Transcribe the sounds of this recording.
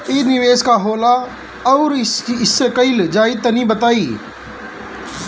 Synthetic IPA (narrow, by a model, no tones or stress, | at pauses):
iːnɪʋeːskaɦoːla | ɔːɾɪsːekəɪld͡ʒaːit̪ənĩbət̪aːiː